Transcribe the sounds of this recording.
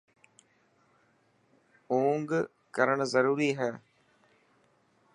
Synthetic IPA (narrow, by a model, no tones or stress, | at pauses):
oːŋɡ | kəɾəɽ̃zəɾuːɾiːɦɛː